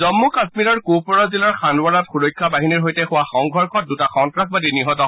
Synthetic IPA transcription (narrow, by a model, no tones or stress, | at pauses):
zɔmːukasmiɹɔɹkupɔɹɔzilɔɹxʰanwaɹatxuɹojkʰːabaɦiniɹɦojtɛxʊwaxɔŋɡʱɔɹkʰɔt̚dutaxɔntɹak̚badiniɦɔtɔ